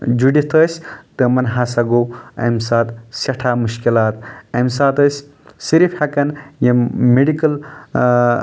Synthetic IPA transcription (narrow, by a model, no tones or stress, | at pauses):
d͡ʒuɖit̪ʰəːsʲt̪ɨmɐnɦasɐɡoːɐ̰msaːt̪sɐʈʰaːmuʃkilaːt̪ɐms̬aːt̪əsʲ | siɾifhɐkɐnjemeɖikɐl